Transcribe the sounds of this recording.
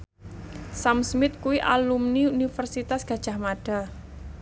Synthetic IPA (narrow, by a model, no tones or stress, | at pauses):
samsmɪt̪̚kuwiʔa̰lumniunifərsit̪asɡ̥a̤d̥ʒ̥a̤hmaɖ̥a̤